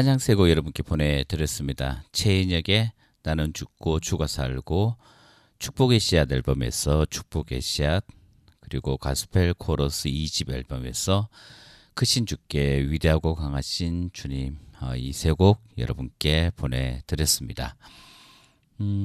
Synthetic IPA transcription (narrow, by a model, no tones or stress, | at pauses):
aɲaŋsʰe̞ɡokjʌɾʌbunk͈e̞pone̞tɯɾjʌs͈ɯmɲida̰t͡ɕʰe̞iɲʌɡe̞ | nanɯnt͡ɕuk̚k͈ot͡ɕʰuɡasʰa̰ɭɡ̥o | t͡ɕʰu̥k̚p͈oɡeɕʰiadeɭbʌme̞̰sʰʌt͡ɕʰu̥k̚p͈oɡe̞̰ɕʰiat̚ | kɯɾiɡoka̰sʰu̥pʰe̞ɭkʰoɾosʰɯiɕibʌɭbʌme̞̰sʰʌ | kɯɕʰind͡ʑuk͈e̞ɥide̞ɦaɡokaŋaɕʰint͡ɕuɲimʌ̰isʰe̞ɡoɡ̚jʌ̰ɾʌbunk͈e̞pone̞tɯɾjʌs͈ɯmɲida